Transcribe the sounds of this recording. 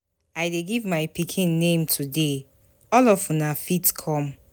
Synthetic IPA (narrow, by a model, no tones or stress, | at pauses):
ajdeɡivmaɪpikʰĩnːẽmtʰude | ɔlɔfũnafitkʰɔ̃m